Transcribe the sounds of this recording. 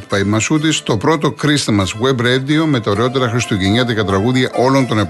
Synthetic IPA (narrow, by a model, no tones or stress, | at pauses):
t̪pɐimɐsut̪̬ist̪o̞pɾo̞t̪o̞kɾist̪mɐzwebɾed̪io̞me̞t̪ɐoɾeo̞t̪̬e̞ɾɐxɾist̪uciɲɐt̪ikɐt̪ɾɐɣuðʝɐʔo̞lo̞nt̪o̞nep